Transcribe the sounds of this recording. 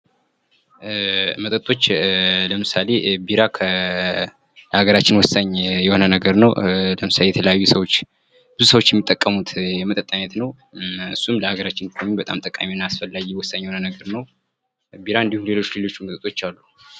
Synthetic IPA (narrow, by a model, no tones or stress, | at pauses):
mət̪ʼət̪ʼo̞t͡ʃːləmɨsale̞biɾakʰə | ləhaɡəɾat͡ʃːɪnwɔsːaɲːjɛho̞nənəɡəɾnəwləmɨsalejɛt̪ʰələjajːusəwo̞t͡ʃː | b̥ɨzusəwot͡ʃːjɛmːit̪ʼːəkʼːəmut̪jɛmət̪ʼət̪ʼːanət̪nəw | ɨsːumləhaɡəɾat͡ʃːɪnkʰomibət̪ʼa̰mt̪ʼəkʼːa̰miɨnːaasfəlːajijɛwɔsːaɲːjhonənəɡəɾnəw | biɾaɨnd̪ihunle̞lo̞t͡ʃːle̞lo̞t͡ʃːumət̪ʼət̪ʼo̞t͡ʃːalːu